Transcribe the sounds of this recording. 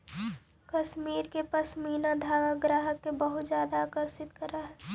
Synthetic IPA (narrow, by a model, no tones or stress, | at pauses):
kɐʃmiːɾkepɐsmiːnad̪ʱaːɡaɡɾaːɦəkːebəɦʊt̪zjaːd̪aːkəɾsɪt̪kəɾaɦɛː